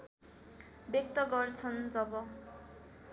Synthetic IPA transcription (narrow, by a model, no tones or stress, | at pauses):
bjʌk̚t̪ʌɡʌrt͡sʰʌnd͡zʌbʌ